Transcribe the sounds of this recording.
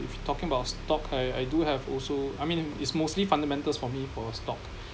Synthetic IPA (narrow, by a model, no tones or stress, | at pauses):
ḭftʰɔkɪ̃ŋəbaʊtstɔkʰaja̰jduhɛvɔ̰lsoajmĩnɪ̰tsmostlifãndəmɛ̃ntəlsfɔmifɔstɔk